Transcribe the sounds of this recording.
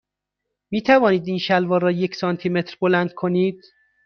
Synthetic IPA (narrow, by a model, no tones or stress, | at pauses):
miːt̪ʰævɒːniːd̪iːnʃælvɒːɾɒːjecʰsɒːnt̪ʰiːme̞t̪ɾbolænd̪̥̚kʰo̞niːd̪̥